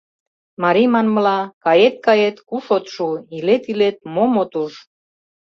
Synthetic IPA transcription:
mɑɾimɑnməlɑkɑjet̪̚kɑjet̪kuʃot̪ʃuilet̪ilet̪̚momot̪uʃ

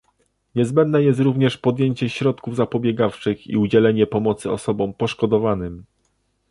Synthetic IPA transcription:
ɲɛzbɛnd̪nɛjɛst̪ɾuvɲɛʂpɔd̪ʲjeɲt͡ɕɛɕɾɔt̪kuvzapɔbʲjɛɡaft͡ʂɘxḭud͡ʑɛlɛɲɛpɔmɔt̪sɘɔ̰sɔbɔmpɔʂkɔd̪ɔvanɘm

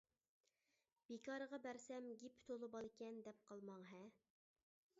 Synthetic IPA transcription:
b̥ekʰɑɾəʁɑbæɾsɛmɡʲipʰt̪ʰolˠɨbɑlˠɪkʲʰɛnd̪ɛp̚qʰɑlˠmɑŋɦɛ

